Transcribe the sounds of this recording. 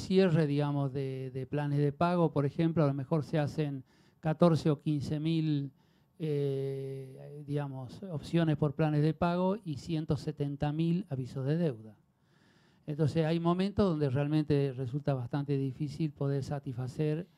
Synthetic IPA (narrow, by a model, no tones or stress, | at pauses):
sjereðiɣamozðeðeplanezðepaɣ̞o̞po̞ɾexe̞mploalo̞mexo̞ɾseaseŋ | kat̪o̞ɾseo̞kinsemil | e | ðiɣamosopsjo̞nespo̞ɾplanezðepaɣo̞isje̞nt̪oset̪ent̪amilaβisozðeðewða | ent̪onsesajmõ̞mẽnt̪oðo̞nd̪erealmẽnt̪eresult̪aβast̪ant̪eðifisilpo̞ð̞eɾsat̪isfaseɾ